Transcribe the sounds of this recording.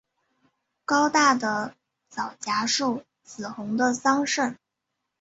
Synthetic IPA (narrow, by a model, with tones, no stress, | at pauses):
kɑ˥ʊt̪a˥˩d̪ə˩ | t͡sɑ˨˩ʊt͡ɕja˧˥ʂu˥˩ | t͡sɹ̩˨˩xʊ˧˥ŋd̪ə˧sɑ˥ŋʂə˥˩n